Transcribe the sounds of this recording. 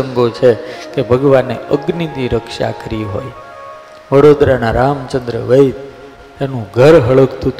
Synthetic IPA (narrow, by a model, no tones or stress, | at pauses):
əŋɡot͡ʃʰekebʱəɡʋanːḛəɡnit̪iɾəkʃa̰kəɾiɦo̰j | ʋəɽod̪ɾanaɾamt͡ʃənd̪ɾə̰ʋəit̪ | enũɡʱəɾɦəɭəkt̪ʰut̪